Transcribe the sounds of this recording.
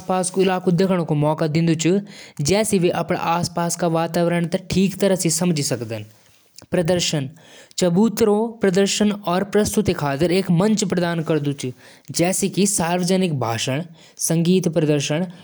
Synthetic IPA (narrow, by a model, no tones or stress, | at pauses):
aspaːskoɪlaːkud̪jɐkʰəɽõkomɔːkad̪ɪ̃nd̪ut͡ʃud͡ʒɛːsiʋeʔɐpɳa̰ʔaːspaːskaʋaːt̪aːʋɾəɳ̃t̪ɐʈʰiːkt̪ɐɾəɦsisɐmd͡ʒʱisɐkd̪ən | pɾɐd̪əɾʃən | t͡ʃɐbuːt̪ɾopɾɐd̪əɾʃənɔːɾpɾɐst̪ut̪ekʰaːt̪ɪɾeːkmɐ̃ɲt͡ʃpɾɐd̪aːnkɐɾd̪ut͡ʃ | d͡ʒɛːsikisaːɾʋəd͡ʒənɪkbʱa̰ːʃəɳ̃ | sɐ̃ŋɡiːt̪pɾɐd̪əɾʃəɳ̃